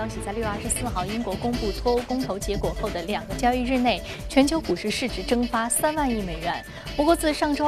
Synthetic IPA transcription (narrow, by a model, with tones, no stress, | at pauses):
jɑ˥ʊɕi˨˩t͡sa˥˧ɪly˥˧a˥˧ʂɻ̩˥˧sɹ̩˥˧xɑ˥˩ʊi˥ŋkwɔ˧˥kʊ˥ŋpu˥˩t͡sʰwɔ˥u˥kʊ˥ŋt̪ʰo˧˥ʊt͡ɕjɛ˧˥kwɔ˨˩xo˥˩ʊd̪ə˩ljɑ˨˩ŋɡə˦t͡ɕjɑ˥ʊi˥˧ɻ̩˥˧ne˥˩ɪ | t͡ɕʰɥɛ˧˥nt͡ɕʰjo˧˥ʊku˨˩ʂɻ̩˥˧ʂɻ̩˥˩ʈ͡ʂɻ̩˧˥ʈ͡ʂɤ˥ŋfa˥sa˥nwa˥˧ni˥˩me˨˩ɪɥɛ˧˥n | mɔ˧˥kwɔ˧˥t͡sɹ̩˥˧ʂɑ˥˩ŋʈ͡ʂo˥